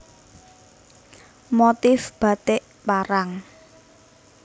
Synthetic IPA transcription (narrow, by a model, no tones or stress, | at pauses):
mot̪ɪfb̥a̤t̪ɪʔ | paɾaŋ